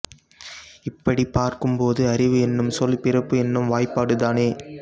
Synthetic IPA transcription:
ɪpːɐɽipːaːɾkɯmpoːðɯɐɾɪʋɯɛnːɯmsɔlpɪrɐpːɯɛnːɯmʋaːjpːaːɽɯðaːneː

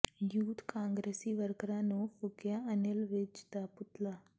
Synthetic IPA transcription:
juːt̪kãːŋɡɾeːsiʋəɾkɾãːnõːfʊɡjaənelʋɪd͡ʒd̪apʊt̪laː

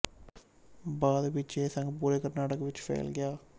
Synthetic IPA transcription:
baːd̪bit͡ʃːeːsɐŋɡpuːɾekɐɾnaːʈɐkːɐʋit͡ʃːfḛːlɡejaː

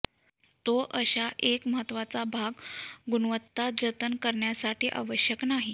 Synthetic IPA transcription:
t̪oʔəɕaʔekməɦət̪ːʋat͡sabʱaɡɡunʋət̪ːad͡zət̪ənkəɾɳjasaʈiːʔa̰ʋəɕjəknaɦi

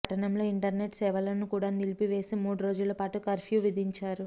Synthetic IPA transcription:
ʈɐnɐmlo̞ːiɳʈɐɾne̞ʈsɛːʋɐlɐnːukuːɽaːnilipiʋe̞ːsimuːɽuɾo̞ːd͡ʒulɐpaːʈukɐɾpʰjuːʋid̪ʱiɲt͡ʃaːɾu

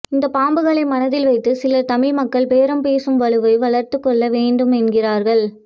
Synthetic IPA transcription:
ɪnd̪ɐpaːmbɯɣɐɭɐɪmɐnɐðɪlʋɐɪt̪ːɯsɪlɐt̪ɐmɪɭmɐkːɐɭpeːɾɐmpeːsɯmʋɐɭɯʋɐɪʋɐɭɐɾt̪ɯkːɔɭːɐʋeːɳɖɯmɛnɡɪraːɾɣɐɭ

